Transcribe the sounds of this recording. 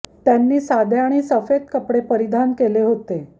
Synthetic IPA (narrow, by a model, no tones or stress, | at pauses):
t̪janːiːsad̪ʱjaaːɽ̃iːsəfed̪̚kəpɽepəɾid̪ʱankeleɦot̪e